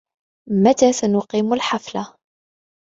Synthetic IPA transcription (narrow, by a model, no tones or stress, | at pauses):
mæt̪æθænʊqiːmʊlħafla